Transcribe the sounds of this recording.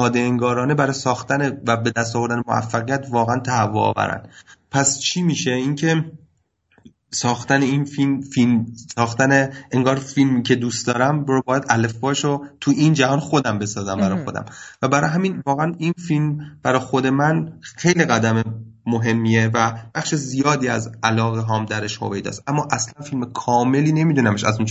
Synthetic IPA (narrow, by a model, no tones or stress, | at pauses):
sɒːd̪eeŋɡɒːɾɒːne̞bæɾɒːjsɒːxt̪ænevæbe̞d̪æst̪ɒːvo̞ɾd̪ænemoæ̰fːæɣijæt̪ʰvɒːɣeænt̪ʰæhævːo̰ɒ̰ːvæ̰ɾæ̰nd̪pʰæst͡ʃʰiːmiːʃe̞iːŋcʰe̞ | sɒːxt̪æneinfilmfilmsɒːxt̪æneeŋɡɒːɾfilmiːcʰe̞d̪ust̪d̪ɒːɾæmbɒːjæd̪ælefːɒːʃot̪ʰuʔind͡ʒæɦɒːnxo̞d̪æmbe̞sɒːzæmbæɾɒːjxod̪æ̰mvæbæɾɒ̰ːɦæminvɒːɣeæninfilmb̥æɾɒːjxod̪e̞mænxe̞jliɣæd̪æmemoɦe̞mːievæb̥æxʃezijɒːd̪iːæ̰zælɒːɣeɦɒːmd̪æɾeʃho̰vejd̪ɒ̰ːsʔæmːɒːʔæslænfilmekʰɒːme̞liːne̞miːd̪unæme̞ʃæ̰zun